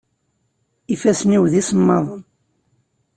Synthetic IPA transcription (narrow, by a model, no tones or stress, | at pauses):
ifæsniwðisəmːɑðˤən